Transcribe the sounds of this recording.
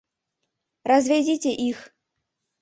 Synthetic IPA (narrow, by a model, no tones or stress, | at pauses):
rɐzʲvʲɛdʲit͡sʲeʔix